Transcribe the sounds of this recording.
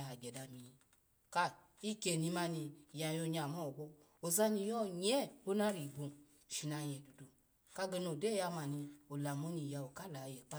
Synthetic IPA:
a˨ɡ͡bɛ˨da˧mi˨˧ | ka˧ | i˦ke˧˨ni˨˧ma˧ni˧˨ja˧˨jo˧˨ɲa˨mɔ˦˨ɡ͡bɔ˧˦ | o˨za˧ni˧˨jɔ˦ɲɛ˦˨o˦na˦ɾi˨ɡ͡bo˨ | ʃi˨na˧˨jɛ˨du˨du˨ | ka˧ɡɛ˨˧no˨dɛ˦ja˧ma˨ni˧o˨la˨mo˦ni˧˨ja˧˨o˨ka˦la˨jɛ˨k͡pa˦

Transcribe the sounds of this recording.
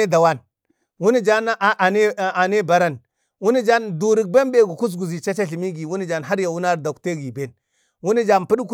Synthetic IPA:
e˦da˨wa˦n | wu˦ni˦d͡ʒa˦n˦a˨ʔa˨ne˦˨a˨ne˦ba˨ɾa˦n | wu˦ni˦d͡ʒa˦ndu˨ɾi˨k̚be˦mbe˦ɡu˨ku˦s̬ɡu˨zi˨t͡ʃa˦t͡ʃa˦ɬi˨mi˦ɡi˨wu˦ni˦d͡ʒa˨nɦa˦ɾja˨wu˦na˦ɾda˨kte˦ɡi˨be˦n | wu˦ni˦d͡ʒa˦npi˦ɗku˦

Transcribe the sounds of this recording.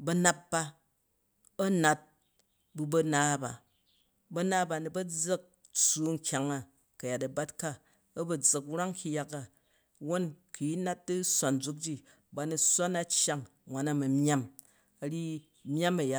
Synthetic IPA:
bɐ˦na˦p̚ba˦ | ɐ˦na˨t̚ | bu˧bɐ˧naː˦ba̰˨ | bɐ˦na˦ba˨ni˨bɐ˦d͡zɐ˦k̚ | t͡su˨ŋ̩˨kʲa˨ŋa˨ | kɐ˨ja˨tɐ˨ba˦t̚ka˦ | ɐ˦bɐ˨d͡zɐ˨kɾa˦ŋkʰʲi˦ja˦ka˨ | wo˦nkʰi˨ji˦na˦t̚dɨ˦sʷa˨nd͡zu˨˦k̚d͡ʒi˦ | ba˨ni˨sʷa˦na˦t͡ʃja˦ŋ | ŋʷwʷa˨na˦mɐ˨mʲ˦a˦m | ɐ˨˦ɾi˦ | mʲ˦a˦mɐ˨ja˦

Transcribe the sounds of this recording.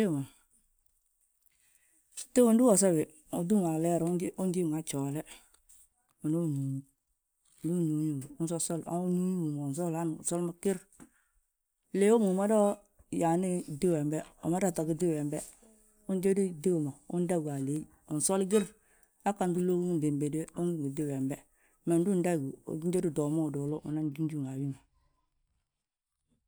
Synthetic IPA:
e˦˨ma˨ | te˦wu˨n˦du˦wɔ˨s̬a˦bɪ˨ | o˨du˦ŋa˨lɛ˦ɾʔʊ˦n˦d͡ʒi˦˨ŋa˨t͡ʃɔ˨lɛ˦ | u˨no˦˨nu˨ɲu˦˨ | du˦˨nu˨˦ɲu˦˨ʊ˦s̬ɔ˦sɔ˦la̰˦nu˦ɲu˦˨mo˨ns̬ɔ˦la˦n̰˨sɔ˦lma˦kɪ˦ɾ | le˨˦wo˦mu˨ma˦dɔ˦ | ja˨ni˦dɪ˦wɛ˨mbɛ˦o̰˨ma˦da˦˨ta˨ɡi˦dɪ˦˨wɛ˨mbɛ˦ | ʊ˦n˦d͡ʒe˦di˦de˦wu˨mo˨ʊ̰˦n˦da˦˨ɡu˨a˨le˨˦ | ʊ˨sɔ˦lɡɪ˦ɾ | a˦ka˨ndu˦lo˦ɡde˨mbe˨de˦ʊ˦ŋ˦˨ɡdɪ˦wɛ˨mbɛ˦ | mɛ˨n˦du˦n˦da˦˨ɡṵ˨˦d͡ʒe˦du˦dɔ˨mo˦˨dɔ˨lo˦mṵ˨na˦n˦d͡ʒi˦d͡ʒu˦˨ŋa˨wi˦ma˨

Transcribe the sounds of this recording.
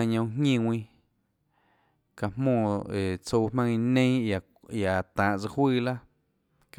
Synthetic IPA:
a˧˨ɲõ˧wɦŋĩ˦˧˨wʷĩ˧ | ka˨hmmõː˧˨e˨t͡so˧mã˧ŋi˧nẽ˦˨ | a˨t̪ãː˨ʔt͡sɨ˧hwɨː˦˨la˦ | k

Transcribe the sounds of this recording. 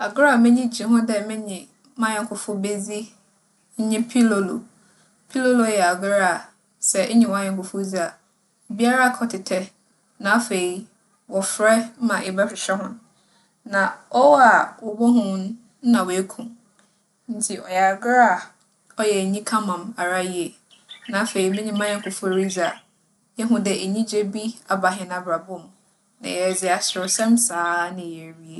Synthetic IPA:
a˨ɡɾa˦˨mɪ̃˦ɲĩ˦d͡ʑi˨˦ɦʊ̃˦dɛ˦mɪ̃˦ɲɪ̃˨˦ | mã˦ɛ̃˨kʰʊ˨fʊ˦be˦d͡zi˦ | ɲ̩˦ɲĩ˦pʰi˦lo˦lo̰˨ | pʰi˦lo˦lo˨˦jɛ˨a˨ɡɾa˦˨ | sɛ˨˦ɲɪ̃˨wã˨˦ɛ̃˨ŋ˨kʰʊ˨fʊ˦zi˦a˨ | bi˦a˦ɾa˦a˨kʰɔ˦tʰɪ˨tʰɛ˦ | nã˨˦fe˨i˦ | wɔ˨fɾɛ˦mã˨ʔe˨bɛ˦fɪ˨ɕɛ˦ɦʊ̃˦n | nã˨ɔ˦wa˨wɔ˨bɔ˦ɦʊ̃˦n˦ | nã˨wɔ˨e˦kʰũ˨m | n̩˦tʰi˨ʔɔ̰˨ja˨ɡɾa˦˨ | ɔ˦jɛ˨ɲĩ˦kʰã˦mã˨ma˨ɾa˦ji˦e˨ | nã˨˦fe˨i˨mɪ̃˦ɲĩ˦mã˦jɛ˦ŋ̩˨kʰʊ˨fɔ˨ɾi˦d͡za˨ | jɛ˦ɦʊ̃˨dɛ˨e˨ɲĩ˦d͡ʑe˦bi˦a˨ba˨ɦɪ̃˨na˨bɾa˨bʊ̃˦˨m | nã̰˨jɛ˨d͡zɪ˨a˨sʊ˨ʊ˨sɛ̃˦msaː˨˦nɪ̃˨ɛ˨ɾi˦e˨

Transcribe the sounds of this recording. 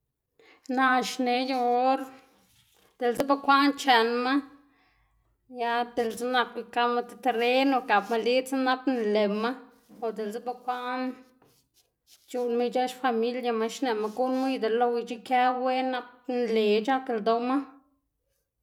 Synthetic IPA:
na˧ʃne˨ja˧o˦ɾ | d̪̥e˨lze˦ba˦kʷa˦nt͡ʃe˨nma˦ | ja˧d̪e˨lt͡sa˦na˧ki˧ka˧ma˧t̪e̥˧t̪e˨ɾe˦no˨ka˨pma˧li˦t͡sa˦na˦pnle˨ma˦ | o˨d̪e˨lze˦ba˧kʷa˦ʔn | t͡ʃu˧nma˦t͡ʃa˦ʃfa˧mi˦lja˧ma˦ʃne˨ma˧ɡu˦nma˦jd̪e˨lo˧wi˧t͡ʃi˦kʲa˦we˦na˦k̚nle˨t͡ʃa˦ke˧˨ld̪o˧ma˦

